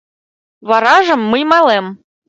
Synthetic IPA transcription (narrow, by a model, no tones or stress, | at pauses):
βɑɾɑʒɤ̆mːɨjmɑlˠem